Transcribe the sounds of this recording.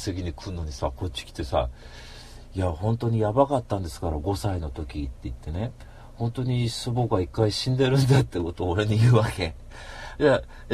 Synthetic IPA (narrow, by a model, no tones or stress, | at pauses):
seɡʲiɲ̟ikʰɯ̟nːo̞ɲ̟isako̞tt͡ɕːi̥kʲi̥t̪ːe̞sa̰ | jahõ̞nt̪o̞ɲ̟ijabakat̪ːãnd̪e̞sɨ̥kaɾaɡo̞saino̞t̪o̞kʲit̪ːe̞it̪ːe̞ne̞ | hõ̞nt̪o̞ɲ̟isoboɡaikːaiɕĩnd̪e̞ɾɯ̟̃nd̪at̪ːe̞ko̞t̪o̞ːɾe̞ɲijɯ̟ːβake | d͡ʑa